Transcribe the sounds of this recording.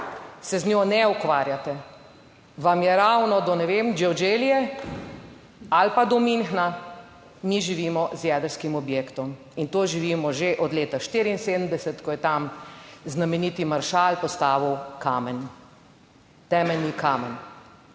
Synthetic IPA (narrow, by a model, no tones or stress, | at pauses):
sɛznʲjoːnɛukʋaːɾjat̪ɛ | ʋamjɛɾawnɔd̪ɔnɛʋemd͡ʒiɔd͡ʒeːlijɛ | alpad̪ɔminxna | miʒiʋiːmɔzjɛd̪əɾskimɔbjekt̪ɔm | int̪oːʒiʋiːmɔʒeʔɔd̪leːt̪aʃt̪iɾiːnseːd̪əmd̪ɛsɛt̪kɔjɛt̪amznamɛniːt̪imaɾʃaːlpɔst̪aːʋiwkamɛn | t̪ɛːmɛlnikamɛn